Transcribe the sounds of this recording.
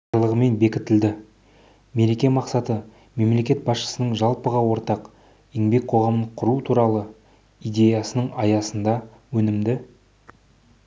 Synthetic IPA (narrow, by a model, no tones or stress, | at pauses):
ɾlˠəʁəme̞nbe̞kʲɪt̪ɪld̪ɪ | me̞ɾe̞kʲe̞mɑqsɑt̪ə | me̞mle̞kʲe̞t̪bɑsʃə̥sənəɴʒɑlˠpəʁɑwo̞ɾt̪ɑq | eŋbe̞k̚ʲqʰo̞ʁɑmənɴqʰʊɾut̪ʰuɾɑlˠə | ijd̪e̞jɑsənəɴɑjɑsənd̪ɑ | wɵnɪmd̪ɪ